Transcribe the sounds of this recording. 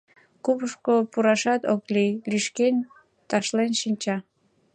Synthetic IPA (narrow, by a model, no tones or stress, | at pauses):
kupəʃkopuɾɑʃɑt̪oklijliʃkenʲ | t̪ɑʃlenʃinʲt͡ɕɑ